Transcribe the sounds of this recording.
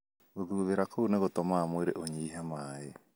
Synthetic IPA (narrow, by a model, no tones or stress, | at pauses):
oðuβeɾakʰowneɣotomamoeɾḛʔoɲiːɦamaːe